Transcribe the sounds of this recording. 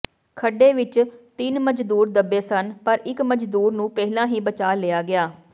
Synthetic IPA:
kʰəɖeːʋɪt͡ʃt̪ɪnməd͡ʒd̪uːɾd̪əbːeːsənpəɾɪkməd͡ʒd̪uːɾnũːpɛːɦlãːɦiːbət͡ʃaːleːaːɡɪaː

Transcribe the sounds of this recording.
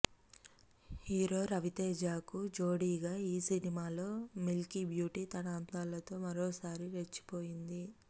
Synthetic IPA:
hiːɾo̞ːɾɐʋit̪eːd͡ʒaːkud͡ʒoːɽiːɡaːiːsinimaːlo̞ːmilkibjuːʈiːt̪ɐnaːnt̪aːlɐt̪o̞ːmɐɾoːsaːɾiɾet͡ʃːi̥poːjind̪i

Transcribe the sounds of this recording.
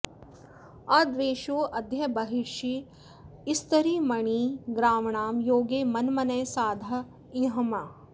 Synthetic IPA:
aːd̪ʋeːʃoːʔɐd̪ʱjɐbɐɦiʃi | ɪst̪ɐɾiːmɐɳ̃iːɡɾaːmɳaːmjoːɡeːmɐnmɐnɐjsaːd̪ʱɐ | iɦɐma

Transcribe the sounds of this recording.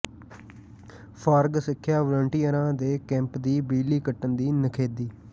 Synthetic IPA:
pʰaːɾɡsɪkʰːjaːʋələɳʈijəɾãːd̪eːkɛ̃ːmpd̪iːbiːliːkəʈːənd̪iːnəkʰeːd̪iː

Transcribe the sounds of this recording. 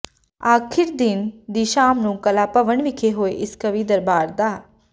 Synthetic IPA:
aːkʰɪɾd̪ɪnd̪iːʃaːmnũːkəlaːpəʋəɳʋɪkʰeːɦoːeʔɪskəʋiːd̪əɾbaːɾd̪aː

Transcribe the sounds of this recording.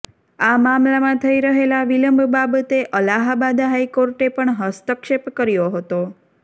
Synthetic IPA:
amamlamãt̪ʰəiɾəɦelaʋiləmbʱbabət̪eʔəlaɦabad̪ɦaikoɾʈepəɳɦəst̪əkʃepkəɾjoɦət̪o

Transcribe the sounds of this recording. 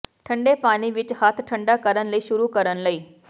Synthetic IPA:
ʈʰəɳɖepaɽ̃iʋit͡ɕhat̪ʰʈʰəɳɖakəɾənləiːɕuɾuːkəɾənləiː

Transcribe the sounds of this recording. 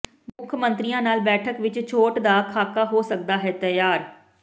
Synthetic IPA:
mʊkʰmənt̪ɾijãːnaːlbɛːʈʰəkʋɪt͡ʃt͡ʃʰoːʈd̪aːkʰaːkaːɦoːsək̚d̪aːɦɛːt̪ɛjaːɾ

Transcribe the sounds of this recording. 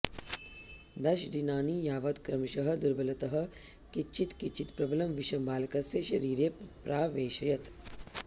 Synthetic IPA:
d̪ɐʃd̪inaːniːjaːʋɐt̪kɾɐmʃɐɦɐ̆d̪uɾbɐlɐt̪ɐɦɐ̆kit͡ʃʰit̪kit͡ʃʰːit̪pɾɐbɐlɐmʋiʃɐmbaːlɐkɐsjɐʃɐɾiːɾjepɾaːʋeːʃɐjɐt̪

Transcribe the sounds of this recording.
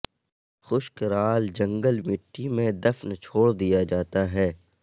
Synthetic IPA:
xʊʃkɾaːld͡ʒɐ̃ŋɡəlmɪʈːimẽd̪ɐfnt͡ʃʰoːɽd̪ijad͡ʒaːt̪aɦɛː

